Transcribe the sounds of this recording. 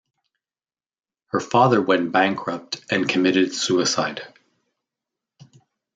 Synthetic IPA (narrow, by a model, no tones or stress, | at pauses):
hə˞fɑðə˞wɛ̃nb̥æ̃ŋkʰɹ̥ʌp̚tʔɨ̃nkʰɨmɪɾɨd̥sʉɨsaɪd̥